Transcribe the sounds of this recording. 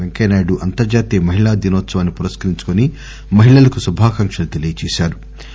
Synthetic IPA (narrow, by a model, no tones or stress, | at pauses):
eŋkɐjnaːɽuʔɐnt̪ɐɾd͡ʒaːt̪eːmɐɦiɭaːd̪inɔːt̪sɐʋaːnːipuɾɐskɐɾiɲt͡ʃu̥kuni | mɐɦiɭɐlɐkusubʱaːkɐŋkʂɐlut̪elijɐt͡ʃeːʃaːɾu